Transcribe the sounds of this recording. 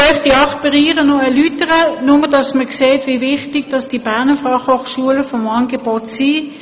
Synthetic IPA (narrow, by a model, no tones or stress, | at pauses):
œχtiɑχpiʁiːʁənɔɛɐlytəʁənʊmədɑsməkseːtvivɪχtiɡ̥d̥ɑsd̥ibæɐnəfɑχhoχʃuələfɔmɑːnɡebotsi